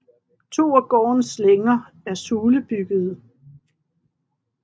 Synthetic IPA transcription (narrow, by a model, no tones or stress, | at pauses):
t͡sʰo̝̰ːɒɡ̥ɒ̰ːnsleŋɐ | æɐsuːləb̥yɡ̥əð̞̩ˠ